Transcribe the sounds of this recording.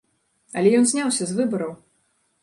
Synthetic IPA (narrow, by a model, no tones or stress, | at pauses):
ɐlʲɛjɔnzʲnʲawsʲɐzvɨbɐɾɐw